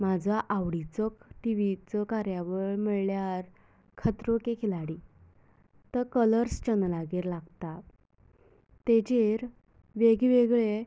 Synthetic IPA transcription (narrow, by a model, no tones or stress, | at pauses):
mad͡zʱaʔaʋɽit͡səkʈiʋit͡sɔkaɾjaʋəɭməɭljaɾ | kʰət̪ɾokekʰilaɽi | t̪əɾkələɾst͡ɕənlaɡiːɾlaɡt̪a | t̪et͡ɕeɾ | ʋeɡiʋeɡɭe